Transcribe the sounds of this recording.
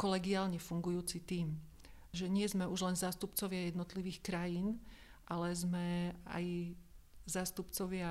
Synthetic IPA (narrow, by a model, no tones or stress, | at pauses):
kɔlɛɡiaːlɲɛfuŋɡujuːt͡sit̪iːm | ʒɛɲɪɛzmɛuʒlɛnzaːst̪upt͡sɔʋɪajɛd̪nɔt̪liʋiːxkɾajiːnʔalɛzmɛa̰j | zaːst̪upt͡sɔʋɪa